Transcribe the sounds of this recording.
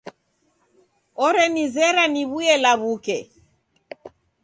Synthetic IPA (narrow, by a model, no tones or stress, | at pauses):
ɔɾɛnizɛɾaniβuɛlaβukɛ